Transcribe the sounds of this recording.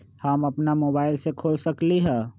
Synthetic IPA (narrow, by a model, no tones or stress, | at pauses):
hamɐpnamoːbaːɪlsekʰoːlsəkliɦɛː